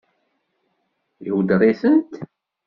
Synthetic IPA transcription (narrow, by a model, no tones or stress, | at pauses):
iwd̪rˤiθənt̪